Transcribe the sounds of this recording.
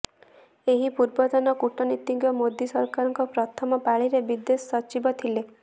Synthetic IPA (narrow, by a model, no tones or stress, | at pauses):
eɦipuɾbɔt̪ɔnɔkuʈɔnit̪ːiŋɡjɔmod̪isɔɾkaɾɔŋkɔpɾɔt̪ʰɔmɔpaɭiɾebid̪esɔt͡ʃibɔt̪ʰile